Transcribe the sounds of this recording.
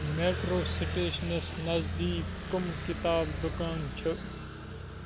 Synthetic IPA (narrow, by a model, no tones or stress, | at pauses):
meːʈɾoːsɪʈeːʃnesnɐzd̪iːpkʊmkɪt̪aːbd̪ʊkaːnt͡ʃʰʊ